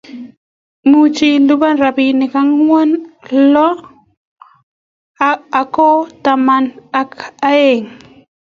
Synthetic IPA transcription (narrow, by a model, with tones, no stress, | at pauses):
mu˦t͡ʃi˦ldu˦ba˦nɾa˨bi˨nɪ˨ka˦ŋwɔ˦nlɔ˦ | a˨kɔ˦ta˨ma˨na˦ka˦e˨ŋ